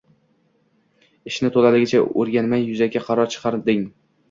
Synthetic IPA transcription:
ɪʃnɪt̪ʰolalɪɡʲɪt͡ʃʰaɵɾɡʲanmajːʊzaɡʲaqʰɑɾɒɾt͡ʃʰɨ̥qʰɑɾd̪ɪŋ

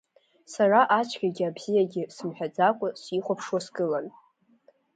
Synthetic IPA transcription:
saraʔat͡ʃʷʰɡʲaɡʲɪabzijaɡʲɪsɨmħʷᶣad͡zakʷʼʊsiχʷapʰʂwasɡʼɨlan

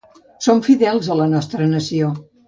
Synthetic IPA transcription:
soɱfiðɛlˠzələnɔst̪ɾənəsio

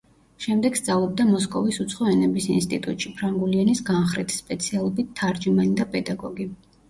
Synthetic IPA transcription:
ʃɛmd̪ɛɡ̥st̪sʼavlˠɔb̚d̪amɔskʼɔvisut̪sʰχɔɛnɛbisinst̪ʼit̪ʼut̪ʼʃipʰɾaŋɡulianisɡanχɾit̪ʰi̥spʼɛt̪sʰialˠɔbit̪ʰːaɾd͡ʒimanid̪apʼɛd̪aɡɔɡi

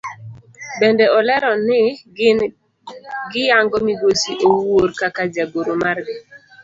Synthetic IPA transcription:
bɛndɛɔlɛɾɔnɪ | ɡɪjaŋɡɔmiɡosiʔowoɾkakad͡ʒaɡoɾomarɡɪ

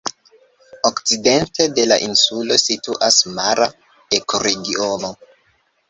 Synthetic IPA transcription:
okt͡side̞nte̞de̞la̰ʔinsulo̞situʔasmaɾa | ekoɾe̞ɡiono̞

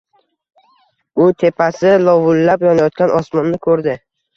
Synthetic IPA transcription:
ʊt̪ʰe̞pʰasɪlɒvʊlːapjɒnajɒt̪̚kʲanʔɒsmɒnːɪkʰɵɾd̪ɪ

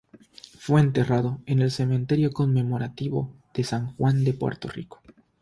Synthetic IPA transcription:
fwe̞ːnt̪e̞raðo̞e̞ne̞lse̞mẽ̞nt̪e̞ɾjo̞ko̞nme̞mo̞ɾat̪iβo̰ | ð̥esaŋxwand̪e̞pwḛɾt̪o̞̰rḭko̥

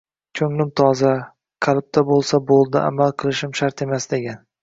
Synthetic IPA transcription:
t͡ʃʰɵŋlɪmt̪ʰɒza | qʰɑlɪp̚t̪ʰabolˠsabolˠd̪ɪʔa̰malˠqʰɨlˠɪʃɪmʃaɾt̪e̞masd̪eɡʲan

